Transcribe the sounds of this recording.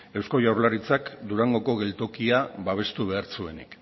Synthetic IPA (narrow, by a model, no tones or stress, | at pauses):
e̞wsko̞jawɾlaɾit͡sakd̪uɾaŋɡo̞ko̞ɣe̞lt̪o̞kiaβaβ̞e̞st̪uβ̞e̞aɾt͡sue̞nḭk